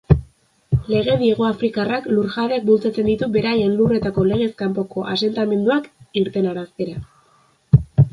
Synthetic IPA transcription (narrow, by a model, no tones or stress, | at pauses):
le̞ɣ̞e̞ðie̞ɣ̞o̞afɾikarakluɾʝaðek̚bult͡sat͡se̞nd̪it̪ube̞ɾaje̞nlure̞t̪ako̞le̞ɣ̞e̞skampo̞ko̞ʔa̰se̞nt̪ame̞nd̪uakiɾt̪e̞naɾaskeɾa